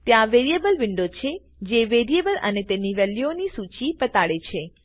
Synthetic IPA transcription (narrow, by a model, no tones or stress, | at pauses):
t̪jãʋeɾijebəlʋɪɳɖot͡ʃʰe | d͡ʒeʋeɾiebələ̰net̪eniʋɛljonisut͡ʃipət̪aɭet͡ʃʰe